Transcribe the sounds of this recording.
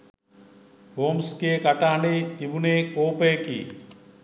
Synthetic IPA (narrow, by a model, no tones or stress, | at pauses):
homskekaʈaaɳɖet̪ibunekopejkḭ